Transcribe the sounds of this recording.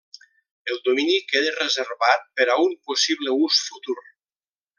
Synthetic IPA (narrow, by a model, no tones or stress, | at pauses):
elˠd̪ominikeðerezerβat̪̚peɾaumposiβleusfut̪uɾ